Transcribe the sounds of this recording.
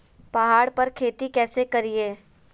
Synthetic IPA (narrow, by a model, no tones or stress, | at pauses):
pɐɦaːɽpɐɾkʰeːt̪ikɛːsekɐɾieː